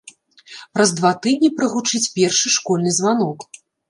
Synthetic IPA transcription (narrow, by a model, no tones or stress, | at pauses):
pɾɐzd̪vat̪ɨd̪ʲnʲipɾɨɣut͡ʂɨt͡sʲpʲɛrʂɨʂkɔlʲnɨzvanɔk